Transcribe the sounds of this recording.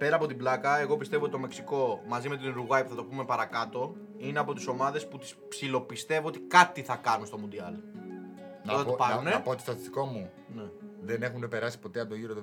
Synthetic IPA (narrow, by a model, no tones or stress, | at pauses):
pe̞ɾɐːpo̞t̪iblɐkɐe̞ɣo̞pist̪e̞vot̪it̪o̞me̞ksiko̞mɐzime̞t̪inɾuɣɐjpu̥θɐt̪opume̞pɐɾɐkɐt̪o̞ | ineɐpo̞t̪iso̞mɐðe̞sput̪i̥spsilo̞pist̪e̞voo̞t̪i̥kɐt̪iθɐkɐnunst̪o̞mund̪iɐl | noɐt̪pɐnɾuneɐpot̪ist̪ɐt̪ist̪iko̞mu | ne̞ðene̞xunepe̞ɾɐsi̥po̞t̪eɐnd̪oʝiɾoð